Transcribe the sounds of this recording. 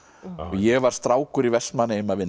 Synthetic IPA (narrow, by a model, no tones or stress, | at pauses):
ɔjɛɣvaɾ̥st̪ɾaːwkʏɾivɛst̪manːɪɪmavɪn